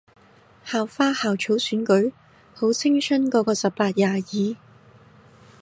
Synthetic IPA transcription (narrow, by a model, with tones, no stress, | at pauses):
haː˨˩wfaː˥haː˨wt͡ʃʰo˨˥wsyː˨˥nkɵ˨˥ɥ | ho˨˥wt͡sʰɪ˥ŋsʰɵ˥nkɔː˨˧˥kɔː˧sɐ˨p̚paː˧t̚jaː˨˧jiː˨˧